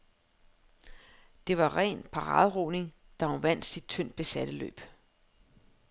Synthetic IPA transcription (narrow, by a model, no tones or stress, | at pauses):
d̥e̝ʋɑ̈ʁɛ̰ːnpʰɑ̈ʁɑ̰̈ːðˠʁoːne̝ŋ | d̥ɑ̈ɒʋæn̰d̥sid̥̚t͡sʰøn̰d̥̚b̥e̝sæd̥əlø̰ːb̥